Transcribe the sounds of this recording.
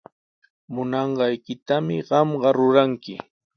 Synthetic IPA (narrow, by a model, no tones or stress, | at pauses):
mʊnɑɴɢɑjkɪt̪amɪɢɑmɢɑɾʊɾaŋkɪ